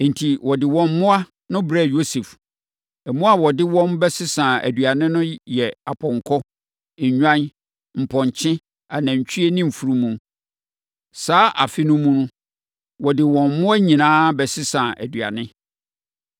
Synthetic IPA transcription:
n̩˨tʰi˨wɔ˨dɪ˨wɔ̃˨m˦mʊ̃˦a˦ | nʊ̃˦bɾɛ˦˨jo˦se˨f | ɛ˨mũ˦a˦wɔ˨dɪ˦wɔ̃˦nbɛ˦sɪ˦sã˨æ̰˨dɥa˨nɪ̃˦nʊ̃˦jɛ˨a˨pʰɔ̃˨ŋkʰɔ˦˨ | ɲᶣã˦n | m̩˨pʰɔ̃˨ɲ˨t͡ɕʰɪ̃˦ | a˨næ̃˨ɲ̩˨t͡ɕᶣʰi˦e˦nĩ˦m̩˨fu˨ɾu˦mũ˨ | saː˦ʔa̰˨fɪ˦nʊ̃˦mũ˦nʊ̃˦ | wɔ˨dɪ˨wɔ̃˨m˦mʊ̃˦a˦ɲĩ˨nãː˦bɛ˨sɪ˦sã˨ʔæ̰˨dɥa̰˨nɪ̃˦

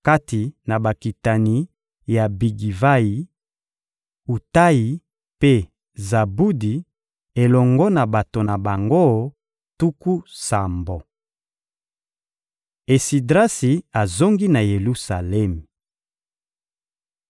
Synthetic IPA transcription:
ka˦ti˨na˨ba˨ki˨ta˨ni˦ | ja˨bi˨ɡi˨va˦ji˨˦ | u˨ta˦ji˨ | pe˦ | za˨bu˦di˨ | e˨lɔ˨ŋɡɔ˦na˨ba˨to˨na˨ba˨ŋɡo˦ | tu˦ku˦sa˨mbo˨ | e˨si˨dʁa˦si˨a˨zo˦ŋɡi˦na˨je˨lu˦sa˨lɛ˦mi˨

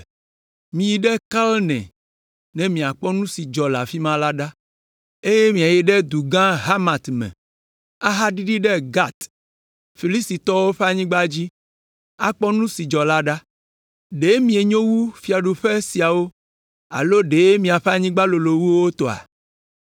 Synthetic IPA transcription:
mĩ˨ji˨ɖɛ˦ka˦lnɛ̰̃˨ | nɛ̃˨mĩ˨a˨k͡pɔ˦nũ˦si˨d͡ʒɔ˨la̰˨fi˦mã˦la˦ɖa˦ | e˦je˦mĩ˨a˨jɛ˨ɖɛ˦d̪u˨ɡã˦ɦa˦ma˨t̪mɛ̰̃˨ | a˦ɦa˦ɖi˦ɖi˦ɖɛ˦ɡa˦t̪ | fi˨li˦st̪i˨t̪ɔ˦wo˦ɸɛ˦a˨ɲĩ˦ɡ͡ba˦d͡ʑi˦ | a̰˦k͡pɔ˦nũ˦si˨d͡ʒɔ˨la˦ɖa˦ | ɖe˨˦mĩ˨e˨ɲõ˦wu˦fi˨a˨ɖu˨ɸe˦si˨a˨wo˦ | a̰˨lo˦ɖe˨˦mĩ˨a˨ɸɛ˦a˨ɲĩ˦ɡ͡ba˦lo˨lo˨wu˦wo˦t̪ɔ˨a̰˨

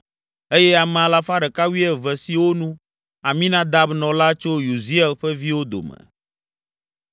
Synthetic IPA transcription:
e˦jɛ˦a˨mɛ̃˨a˨la˦fa˦ɖɛ˨ka˦wi˦ɛ˦vɛ˨si˨wo˦nũ˦ | a˨mĩ˦nã˦d̪a˦bnɔ̃˨la˦t͡ʃo˦ju˨zi˦ɛ˨lɸɛ˦vi˦wo˦d̪o̰˨mɛ̰˨

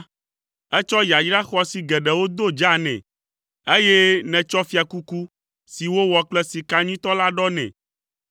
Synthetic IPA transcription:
ɛ˦t͡ʃɔ˦ja˨jɖa˦xɔ˦si˨ɡɛ˨ɖɛ˨wo˦d̪o˦d͡ʒa˦nɛ̰̃˨ | e˦jɛ˦nɛ̃˨t͡ʃɔ˦fi˦a˨ku˦ku˦ | si˨wo˦wɔ˨k͡plɛ˦si˨ka˦ɲĩ˦t̪ɔ˦la˦ɖɔ˦nɛ̰̃˨

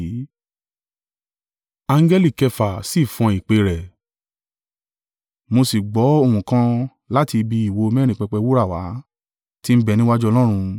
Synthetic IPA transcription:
a˧ŋ̩˦ɡɛ˦li˦˨kɛ˧fa˨si˦˨fɔ̃˧i˨k͡pe˧˦ɾɛ˨ | mo˧si˨ɡ͡bɔ˨˦o˧hũ˨kã˦ | la˦ti˧bi˧i˨wo˧mɛː˦ɾĩ˦˨k͡pɛ˧k͡pɛ˧wu˦ɾa˦˨wa̰˨˦ | ti˦m̩˦bɛ˦˨nĩ˦wa˦d͡ʒɔ˦˧lɔ̃˦ɾ̃ũ˧

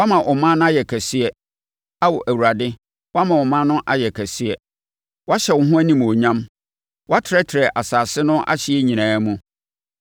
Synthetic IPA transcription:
wa˦mã˨ʔɔ˨mã˦nʊ̃˦a˦jɛ˨kʰæ˨sɪ˦ɛ˨ | a˦wɔ˨ʔæ˨wu˨ɾa˨dɪ˦ | wɔ˦a˦mã˨ɔ˨mã˦nʊ̃˦ʔa˦jɛ˨kʰæ˨sɪ˦ɛ˨ | wɔ˦a˦ɕɛ˨wʊ˨ɦʊ̃˦æ˦nĩ˨m˨o˨ɲã˦m | wɔ˦a˦tʰɪ˨ɾɛ˦tʰɪ˨ɾɛ˨ʔa˨saː˨sɪ˦nʊ̃˦ʔa̰˦ɕɪ˦ɛ˦ɲĩ˨nãː˨˦mũ˦

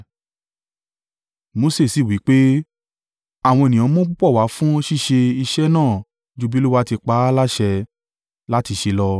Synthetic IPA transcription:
mo˨˧˦se˦˨si˨wi˨˦k͡pe˦ | a˦˨w̃ɔ̃˧e˨nĩ˨ɔ̃˨˦mõ˦k͡pu˦k͡pɔ˦˨wa˨˦fũ˦˧˦ʃi˦˨ʃe˧i˧ʃɛ˦nãː˦˨ | d͡ʒu˧bi˦lu˦wa˦ti˧k͡pa˨˦la˦ʃɛ˧ | la˦ti˧ʃe˧lɔ˧

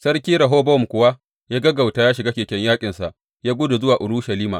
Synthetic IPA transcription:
sɐ˦rkʲiː˦ɾɐ˨ɦoː˦bɔ˦˨mkʷʊ˨wa˦ | jaː˦ɡɐ˦ɡa˨wtaː˦jaː˦ʃɪ˨ɡaː˦kʲeː˨kʲɛ˦ɲjaː˦kʲʼɪ˨nsa˨ʔ | jaː˦ɡʷʊ˦dʊ˨zʊ˦waː˨ʔʊ˨ɾu˦ʃɐ˨liː˦ma̰ː˨ʔ

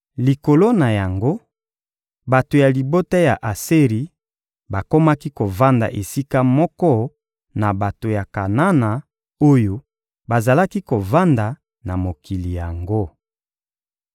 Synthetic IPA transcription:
li˨ko˨lo˦na˨ja˨ŋɡo˦ | ba˨to˨ja˨li˨bo˦ta˦ja˨ʔa˨se˦ʁi˨ | ba˨ko˦ma˦ki˦ko˨va˦nda̰˨ʔe˨si˦ka˦mɔ˦kɔ˦ | na˨ba˨to˨ja˨ka˨na˦na˨ | o˦jo˦ | ba˨za˨la˦ki˦ko˨va˦nda˨ | na˨mo˨ki˨li˨ja˨ŋɡo˦

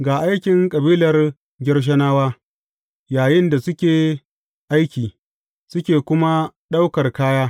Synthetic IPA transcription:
ɡaː˨ʔa˦jkʲɪ˨ŋkʼɐ˨biː˦lɐ˨r | ɡʲɪ˦rʃ̬ɐ˦naː˦waː˦ | jaː˨jɪ˦nda˨sʊ˦kʲeː˨ | ʔa˦jkʲiː˨ | sʊ˦kʲeː˨kʷʊ˦ma˦ɗa˦wkɐ˨rkaː˦jaː˦

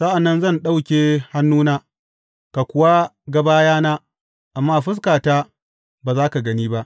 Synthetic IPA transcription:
sa˦ʔa˨nːɐ˦nzɐ˦˨nɗa˦wkʲeː˨ha˦nːuː˦naː˦ | ka˨kʷʊ˨wa˦ɡɐ˨baː˦jaː˦naː˦ | ʔa˨mːaː˦˨ɸʊ˦s̬kaː˨taː˦ | baː˨zaː˦ka˨ɡɐ˦niː˦ba˦ʔ

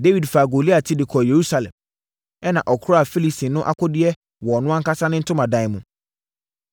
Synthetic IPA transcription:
de˦wi˨dfaː˨ɡo˨li˦a˨tʰɪ˦dɪ˨kʰɔ˨je˨ɾu˦sa˦lɛ̰̃˨m | ɛ˦nã˨ʔɔ˨kʰʊ˦ɾɔ˦a˨fi˦li˦si˨nʊ̃˦ʔa̰˦kʰɔ˦dɪ˦ɛ˦ | wɔ˨nʊ̃˦ã˦ŋ̩˦kʰa˦sa˦nɪ̃˦n̩˦tʰʊ̃˦mã˨dã˨˦˨ɪ˨mũ˨

